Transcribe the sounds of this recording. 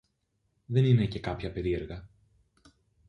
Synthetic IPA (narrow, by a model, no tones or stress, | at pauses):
ðe̞ninece̞kɐpçɐpe̞ɾie̞ɾɣɐ